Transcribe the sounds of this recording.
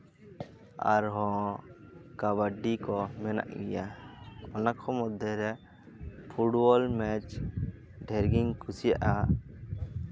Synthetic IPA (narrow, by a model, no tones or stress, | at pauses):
a̰ɾɦɔ̃ | kaβaɖikɔmɛna̰ʔɡɛjaɔnakʰɔmɔd̪ʱjɔɾɛ | pʰuɖbɔlmɛt͡ʃ | ɖʱɛɾɡiŋkʰusijaʔa